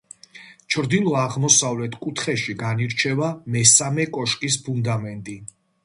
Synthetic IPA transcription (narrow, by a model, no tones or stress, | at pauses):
t͡ʃʰɾd̪ilˠɔaʁmɔsavlɛt̪ʰkʼut̪ʰχɛʃiɡaniɾt͡ʃʰɛvamɛsamɛkʼɔʃkʼis̬pʰund̪amɛnt̪ʼi